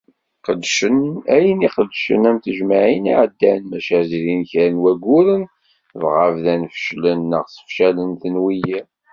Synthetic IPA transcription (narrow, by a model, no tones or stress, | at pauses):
qəd̪ːʃənæjəniqəd̪ːʃə̰næmt̪əʒmaʕiniʕəd̪ːænmæʃæzɾinçɾnwæɡʊɾən | vʁəvðænfə̥ʃlənːə̰ʁsə̥fʃælənθənwiji